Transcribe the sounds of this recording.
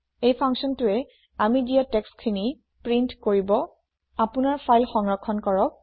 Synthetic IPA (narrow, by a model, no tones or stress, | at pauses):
ejpʰaŋsɔntʊɛ | amidijatɛkskʰini | pɹintkoɹibɔ | apʊnaɹpʰajlxɔŋɹɔkʰːɔnkɔɹɔk̚